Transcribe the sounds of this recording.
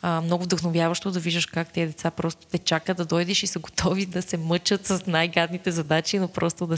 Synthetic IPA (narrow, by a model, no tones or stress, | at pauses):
əmnɔɡʊvd̪əxnovʲjavɐʃt̪od̪ɐviʒəʃkak̚t̪ɛəd̪ɛt̪sapɾɔst̪o̥t̪ɛt͡ʃakəd̪ɐd̪ɔjd̪ɛʃisəɡot̪ʰɔvid̪ɐsɛmɤt͡ʃət̪sɐsnajɡad̪nit̪ɛzɐd̪at͡ʃinopɾʔɔst̪od̪ɐ